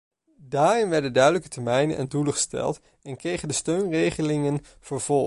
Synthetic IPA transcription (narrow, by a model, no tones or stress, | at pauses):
daːrɪnʋɛɹdəndœɥdələkətɛɹmɛjnə̰nʔɛ̰nduləχə̥stɛ̰lˠt | ɛnkrejχəndəstøɥnrejχəlɪŋən | vəɹv̥ɔlˠ